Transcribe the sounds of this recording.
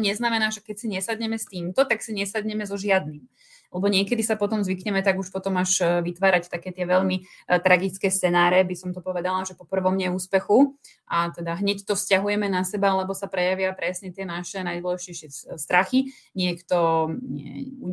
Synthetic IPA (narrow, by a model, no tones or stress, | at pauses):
ɲɛznamɛnaːʒɛkɛcsiɲɛsad̪ɲɛmɛst̪iːmt̪ɔt̪aksiɲɛsad̪ɲɛmɛzɔʒɪad̪nim | lɛbɔɲɪɛkɛd̪isapɔt̪ɔmzʋikɲɛmɛt̪aɡuʃpɔt̪ɔmaʒʋit̪ʋaːɾact̪akɛːt̪ɪɛʋɛʎmit̪ɾaɡit͡skɛːst͡sɛnaːɾɛbisɔmt̪ɔpɔʋɛd̪alaʒɛpɔpr̩ʋɔmɲɛuːspɛxu | ʔat̪ɛd̪aɦɲɛct̪ɔfscaɦujɛmɛnasɛbalɛbɔsapɾɛjaʋɪapɾɛsɲɛt̪ɪɛnaʃɛnajd̪wɔlɛʒicɛjʃɪɛst̪ɾaxiɲɪɛkt̪ɔɲɛ̰u